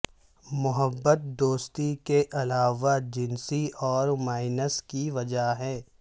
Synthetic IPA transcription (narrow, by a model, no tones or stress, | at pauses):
mʊɦəbːət̪̚d̪oːst̪ikeʔɐlaːʋad͡ʒɪnsiʔɔːɾmaːɪnəskiʋɐd͡ʒaɦɛː